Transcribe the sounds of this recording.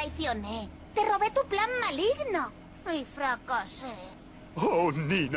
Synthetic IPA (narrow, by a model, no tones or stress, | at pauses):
ajθjone | t̪eroβet̪uplammːaliɣno | ifɾakase | onin